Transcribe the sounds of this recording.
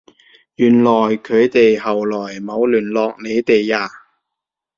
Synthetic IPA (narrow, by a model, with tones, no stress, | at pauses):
jyː˨˩nlɔː˨˩jkʰɵ˨˧ɥt̪e˨jhɐ˨wlɔː˨˩jmo˨˧wlyː˨˩nlɔː˧k̚ne˨˧jt̪e˨jaː˧